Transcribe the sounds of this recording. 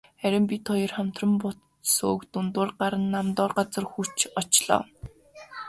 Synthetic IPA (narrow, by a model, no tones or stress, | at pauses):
χæɾʲɪ̆mpʲit̪ʰɔjɞ̆rχam̥t̪rə̆mpʊt̪ | soːkt̪ʊnt̪ʊːrɢaɾə̆nːamt̪ɔːrɢat͡sə̆rxut͡ɕɔt͡ɕɮɔ̰ː